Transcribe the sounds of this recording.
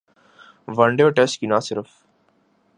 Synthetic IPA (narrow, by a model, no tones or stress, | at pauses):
ʋɐɳɖejoːʈesʈkinaːsɪɾəf